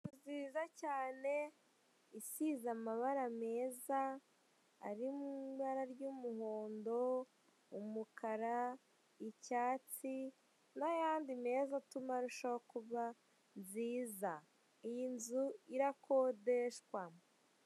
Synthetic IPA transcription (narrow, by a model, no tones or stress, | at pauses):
kuziːzacaːne̞ | isizamaβaɾame̞ːzaː | ɾimuβaɾaɾjuːmuhoːndo̞ | umukʰaɾa | icaːt͡si | najaːndime̞ːzatumaɾuʃoakuβa | nziːza | ijinzuiɾako̞deʃkwamo